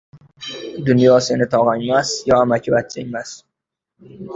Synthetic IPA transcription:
d̪ʊnjɒsenɪt̪ʰɒʁaɲmasjɒamakʲʰɪvat̪̚t͡ʃʰamas

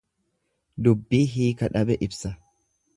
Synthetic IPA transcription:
d̪ʊbːiːɦiːkɐᶑɐbɛʔɪbsɐ

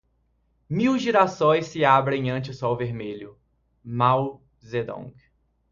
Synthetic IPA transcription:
miwʒiɾasõj̃sːɪabɾẽj̃ɐ̃nt͡ʃʊsɔwveɾmeʎʊ | maw | zed̪õ̰ɡ

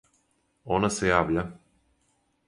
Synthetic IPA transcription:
onasejaːʋʎa

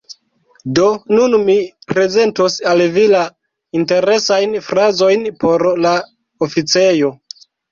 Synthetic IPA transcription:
do̞nunmipɾe̞ze̞ntosalvila | inte̞ɾe̞sajnfɾazo̞jnpo̞ɾla | ofit͡se̞jo̞

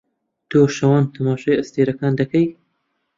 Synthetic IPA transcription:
t̪oːʃɐwɑːnt̪ʰɐmɑːʃɑjɐst̪eːɾɐkɑːnd̪ɐkɐj

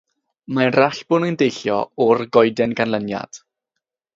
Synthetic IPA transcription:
manraɬb̥ʊnəjndejɬjɔ̰ɔrɡɔjdɛnɡanlənja̰d̥

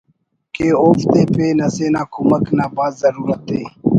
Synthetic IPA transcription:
keːoːft̪eːpeːnəseːnaːkuməknaːbaːzzəɾuːɾət̪eː

